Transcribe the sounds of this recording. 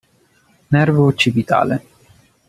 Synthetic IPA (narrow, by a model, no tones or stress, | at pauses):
nɛrvoːt͡ʃːibit̪a̰ːlḛ